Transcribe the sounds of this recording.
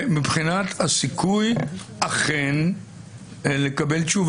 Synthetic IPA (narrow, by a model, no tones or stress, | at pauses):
mibχinat̪hasikujaχen | le̞kabe̞lt͡ʃuv